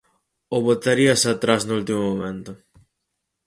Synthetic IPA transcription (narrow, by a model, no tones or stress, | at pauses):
oβot̪aɾiasat̪ɾaznʊult̪imomomẽnt̪ʊ